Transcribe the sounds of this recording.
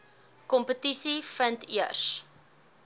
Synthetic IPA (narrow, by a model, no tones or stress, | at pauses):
kɔmpətisifəntiərs